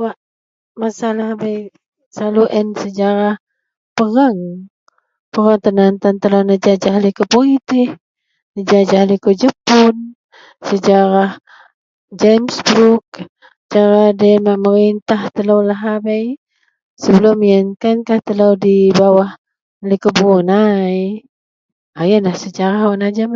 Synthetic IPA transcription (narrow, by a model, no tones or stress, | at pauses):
waʔ | masalaɦabaj | saluʔənsəd͡ʒaɾah | pəɾaŋ | pəɾaŋt̪ənant̪ant̪əlanəd͡ʒad͡ʒaɦlikopolit̪ɪh | nəd͡ʒad͡ʒahlikod͡ʒəpʊn | səd͡ʒaɾah | d͡ʒamsbɾuk̚ | t͡ʃaɾadəmaʔməɾint̪aht̪əlawlaɦabəj | səbəlʊmiankankaht̪əlawdibawah | likobunaj | ajanlahsət͡ʃaɾaɦoʔnad͡ʒam